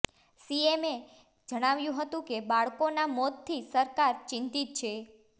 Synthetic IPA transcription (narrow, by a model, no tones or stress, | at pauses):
sieme | d͡ʒəɽ̃aʋjũɦət̪ũkebaɭkonamɔt̪t̪ʰːisəɾkaɾt͡ʃɪ̃nt̪it̪̚t͡ʃʰe